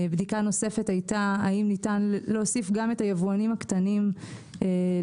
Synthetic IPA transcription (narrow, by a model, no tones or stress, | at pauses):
bdikano̞se̞fe̞tajtaːimnitanleosifɡametajevuanimhakt̪anime